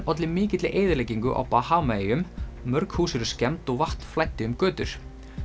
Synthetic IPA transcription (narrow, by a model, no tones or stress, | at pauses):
ɔt̪lɪmɪːcɪt̪lɪ̰ʔeːjðɪɾleːjciŋkʏʔa̰wpahaːwmajɪʏmmœɾkhuːsɪɾʏscɛmt̪ɔɣvaht̪n̥flajht̪ːɪʏmkœːt̪ʏɾ̥